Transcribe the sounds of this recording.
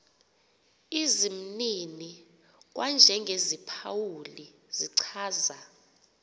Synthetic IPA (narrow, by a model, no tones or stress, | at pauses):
izim̩nini | k̬wand͡ʒʱɛŋɡʱezipʰawuli | z̥iǀʰaːza